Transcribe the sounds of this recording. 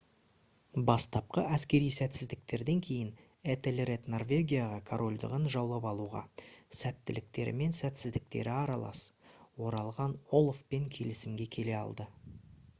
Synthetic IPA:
bɑst̪ɑp̚qəʔæskʲe̞ɾijsæt̪sɪzd̪ɪk̚t̪e̞ɾd̪e̞ŋkʲʰe̞jɪn | et̪elʲret̪no̞rvʲe̞ɡʲijaʁɑkʰoɾʔo̞lʲd̪ə̰ʁənʒɑwlˠɑpɑlˠuʁɑ̰sæt̪ːɪlɪk̚t̪e̞ɾɪ̰me̞nsæt̪sɪzd̪ɪk̚t̪e̞̰ɾɪɑɾɑlˠɑ̰swo̞ɾɑlˠʁɑnolˠfpe̞ŋkʲʰe̞lɪsɪmɡʲe̞kʲʰe̞le̞ɑ̰lˠd̪ə

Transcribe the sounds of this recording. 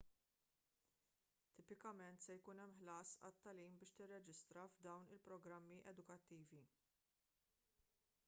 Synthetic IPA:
t̪ːɪːpɪkɐmɛnt̪sɛjkuːnɛmːħlɐːsɐ̰t̪ːɐliːmbɪːʃt̪ɪrːɛd͡ʒɪst̪ɾɐvd̪ɐwnɪlpɾɔɡɾɐmːiʔɛd̪ʊkɐt̪ːiːvi

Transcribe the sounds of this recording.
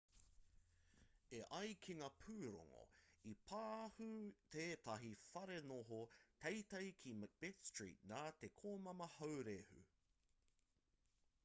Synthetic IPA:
eʔɐjkʰiŋaːpʰʉːɾo̰ŋo̰ipʰaːhut̪ʰeːt̪ɐɦifɐɾenoɦot̪ejt̪ɐjkʰimb̥etstɹḭːt̚naːt̪e̞kʰoːmɐmɐhɐwɾehʉ̰

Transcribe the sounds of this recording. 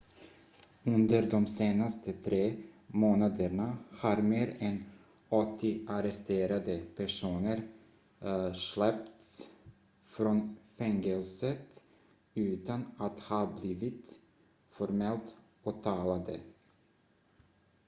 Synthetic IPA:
ɵnd̪əɾd̪ɔmseːnast̪ʰət̪ʰɾeːmoːnad̪əɳahaɾmeːɾɛn | ɔt̪ːɪʔaɾɛst̪eːɾad̪əpʰæʂuːnəɾ | ʂɭɛp̚t̪s | fɾɔnfɛŋəlsət̪ | ʉ̟ːt̪anat̪hɑːbliːvɪt̪ | fɔɾmɛlt̪ | ɔt̪ʰɑːlad̪ə̰

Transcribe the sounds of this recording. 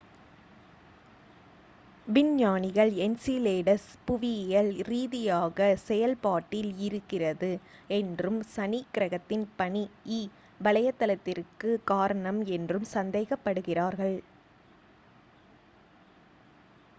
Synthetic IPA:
ʋɪnjaːnɪɣɐɭɛnsileːɽɐspʊʋɪjɐlɾiːðɪjaːɣɐsɛjɐlpaːʈːɪlɪɾɯkːɪrɐðɯɛndrɯmsɐnikːɪɾɐɣɐt̪ːɪnpɐɳiiː | ʋɐlɐjɐt̪ːɐlɐt̪ːɪrkɯkaːɾɐɳɐmɛndrɯmsɐnd̪ɐɪɣɐpːɐɽɯɣɪraːɾɣɐɭ

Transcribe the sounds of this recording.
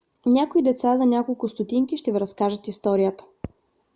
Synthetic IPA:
nʲakoid̪ɛt̪sazɐnʲakolˠkʊst̪ʊt̪iŋkiʃt̪ɛviɾɐskaʒət̪ist̪ɔɾijət̪ə̥

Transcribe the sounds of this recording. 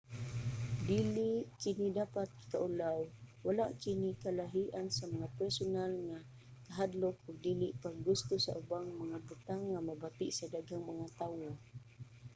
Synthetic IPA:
diliʔkinidapat̪̚i̥kaʔulawwalaʔkinikalaɦiʔansamaŋapɛɾsʊnalŋa | kaɦadlʊkʊɡ̚diliʔpaɡɡʊst̪ʊsa̰ʔubaŋmaŋabut̪aŋːamabat̪ɪʔsadaɡaŋmaŋat̪awʊ

